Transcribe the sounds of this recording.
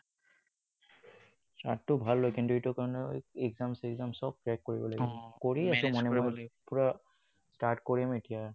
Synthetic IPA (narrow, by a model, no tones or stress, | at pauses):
sta̰tːʊbʱalːojkʰintuetʊkaɹɔnɛ̰ɛɡzamseɡzamsɔb̚tɹɛkːoɹibɔlaɡɔkoɹiasʊ̃mɔnɛmɔjpuɹa | staɹtkoɹimetija